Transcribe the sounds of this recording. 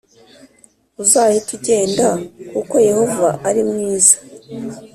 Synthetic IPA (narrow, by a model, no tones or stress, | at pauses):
uzaːjituɟe̞ːndakuko̞je̞ho̞vaʔaɾimŋiːzḁ